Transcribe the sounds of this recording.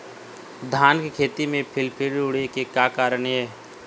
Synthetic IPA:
d̪ʱaːnkekʰeːt̪imẽpʰɪlpʰɪɾʊɽekekjaːkaːɾəɳ̃ɦɛː

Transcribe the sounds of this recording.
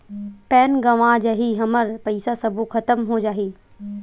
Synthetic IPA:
pɛːnɡɐʋãːd͡ʒaɦiɦɐməɾpɐɪsasɐbʱukʰɐt̪əmɦod͡ʒaːɦiː

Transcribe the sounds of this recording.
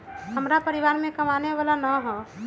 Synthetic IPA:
həmɾapəɾɪʋaːɾmẽkəmaːneʋaːlanaɦɔː

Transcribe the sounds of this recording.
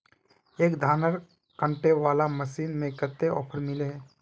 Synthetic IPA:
eːkd̪ʱaːnəɾ | kə̃ɳʈeʋaːlaməʃiːnmẽkət̪ːeɔ̰ːpʰəɾmɪleɦɛ

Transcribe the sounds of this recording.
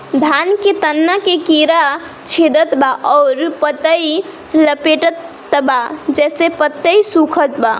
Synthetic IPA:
d̪ʱanket̪ənːakekiɾa | t͡ʃʰed̪ət̪baʔɔɾpət̪əi | ləpeʈət̪ː | bad͡ʒɛsepət̪ːəjsukʰət̪ba̰

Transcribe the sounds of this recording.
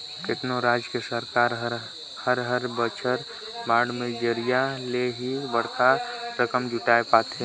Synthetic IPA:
kɪt̪noɾaːd͡ʒkesəɾkaːɾɦ | həɾɦəɾbət͡ʃʰəɾ | baːɽmẽd͡ʒəɾijaleɦibəɽ̤t̪ʰaɾəkəmd͡ʒʊʈaːepaːt̪e

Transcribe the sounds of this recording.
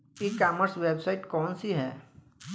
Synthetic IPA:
ekaːməɾsweːbsaɪʈkɔːnsiɦɛː

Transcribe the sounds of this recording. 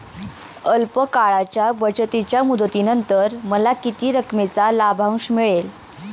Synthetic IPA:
əlpəkaɭat͡ɕjabət͡sət̪it͡ɕjamud̪ʱət̪inənt̪əɾməlakit̪iːɾəkmet͡salabʱãw̃ɕmiɭel

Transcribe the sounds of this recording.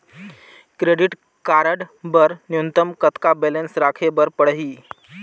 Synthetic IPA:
kɾeɖiʈ | kaɾəɽbəɾnjunt̪əmkət̪kabelənsɾakʰebəɾpəɽɦiː

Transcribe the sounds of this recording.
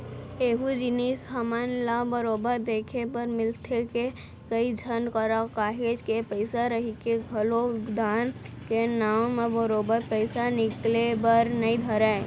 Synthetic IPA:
eːɦud͡ʒɪnisɦəmanlabəɾoːbəɾd̪eːkʰepəɾmɪlt̪ʰeke | kəid͡ʒʱənkəɾakaːɦeːd͡ʒkepəɪsaɾəɦikeɡʱəlod̪ʱaːn | kenaːwmebəɾoːbəɾpəɪsanɪklebəɾnɐĩd̪ʱəɾɛ

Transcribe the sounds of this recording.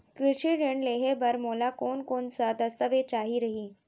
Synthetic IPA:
kɾɪʃiɾeɳɖleːɦebɐɾmoːlakoːnkoːnsəd̪ɐst̪əʋet͡ʃaːɦiɾɐɦiː

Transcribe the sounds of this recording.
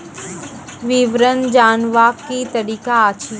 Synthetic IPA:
ʋiʋɾənd͡ʒaːnʋaːkit̪ɐɾiːkaaːt͡ʃʰi

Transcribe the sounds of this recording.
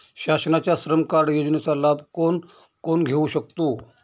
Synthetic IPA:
ɕaɕnat͡ɕjasɾəmkaɽjod͡ʑnet͡salabʱkon | konɡʱeuɕək̚t̪o

